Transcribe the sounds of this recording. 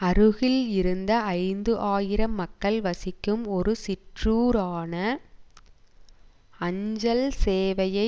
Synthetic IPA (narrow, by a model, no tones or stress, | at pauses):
ɐɾɯɣɪlɪɾɯnd̪ɐɐɪnd̪ɯʔaːjɪɾɐmːɐkːɐɭʋɐsɪkːɯmɔɾɯsɪʈruːɾaːnɐ | ɐɲd͡ʒɐlseːʋɐjɐɪ